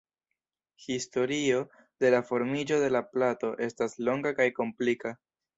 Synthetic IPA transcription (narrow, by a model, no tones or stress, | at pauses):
histo̞ɾio̞ | de̞lafo̞ɾmid͡ʒo̞de̞laplato̞ʔe̞staslo̞ŋɡakajko̞mplika